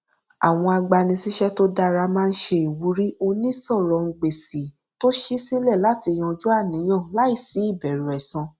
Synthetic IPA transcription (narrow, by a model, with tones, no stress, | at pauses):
a̰˨w̃ɔ̃˧a˧ɡ͡ba˧nĩ˧si˦ʃɛ˦to˦da˧ɾa˧mãː˦n̩˦ʃe˧i˨wu˨˦ɾi˦o˧nĩ˦sɔ˦˨ɾɔ˨ŋ̩˧ɡ͡be˨si˨ | to˦ʃi˦si˦lɛ˦˨la˨˦ti˧j̃ɔ̃˧d͡ʒu˦a˦˨nĩ˨˦j̃ã˦˨la˨˦i˦˨si˨˦i˦˨bɛ˨ɾu˨ɛ˨sã˧